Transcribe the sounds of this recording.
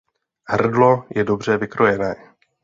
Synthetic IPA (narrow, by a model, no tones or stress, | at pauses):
hr̩dlo̞jʔɛdo̞br̝ɛvɪkɾo̞jɛnɛː